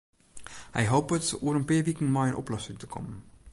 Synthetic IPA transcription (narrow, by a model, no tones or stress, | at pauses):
hɛ̰jɦowpətuəɾənpɪːɹʋikənmɔjənʔɔ̰plɔsɪŋtəkʰɔ̰mən